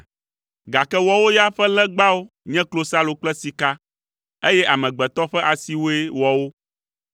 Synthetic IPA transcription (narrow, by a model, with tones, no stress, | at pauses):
ɡa˨kɛ˦wɔ˨wo˦ja˦ɸɛ˦lɛ̃˦ɡ͡ba˦wo˦ | ɲɛ̃˦klo˦sa˦lo˨k͡plɛ˦si˨ka˦ | e˦jɛ˦ʔa˨mɛ̃˨ɡ͡bɛ˨t̪ɔ˦ɸɛ˦ʔa˨si˨wo˦e˦wɔ˨wo˦